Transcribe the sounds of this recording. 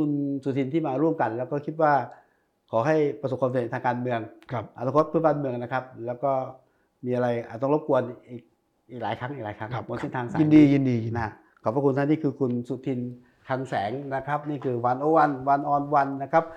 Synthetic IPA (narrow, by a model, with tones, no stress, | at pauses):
kʰu˧nsu˨˩t̪ʰi˧nt̪ʰiː˥˩maː˧ɾu˥˩əmka˧nlɛ˦˥wkɔː˥˩kʰi˦˥t̪̚waː˥˩ | kʰɔː˩˦ɦa˥˩jpɾa˧so˨˩p̚kwa˧mse˨˩˨t̪ʰaː˧kaː˧nmɯ˧əŋʰ˧ʔa˧˩na˧kʰt̪̚pʰɯ˦˥˦baː˧nmɯ˧əŋna˦˥kʰa˦˥p̚lɛː˦˥wkɔː˥˩ | miː˧ʔa˧ɾa˧jʔaː˨˩t̪̚ɔ˥˩ŋlo˦˥p̚ku˧ənʔiː˨˩k̚ | ʔiː˨˩k̚laː˨˩˦jkʰa˦˥ŋʔiː˨k̚laː˨˦jkʰa˦˥ŋ˧mu˧nse˥˩nt̪ʰaː˧ŋsaː˨i˧˦˧niː˧i˧di˧na˦˥ | kʰɔ˨˩p̚ːa˧˩ku˧nt̪a˥˩niː˥˩kʰɯː˧kʰu˧nsu˨˩t̪ʰːi˧n | t̪ʰaː˧ŋsɛː˩˦ŋna˦˥kʰa˦˥p̚niː˥˩kʰɯː˧wa˧nʔoː˧wa˧nwa˧nʔɔː˧nwa˧nːa˦˥kʰa˦˥p̚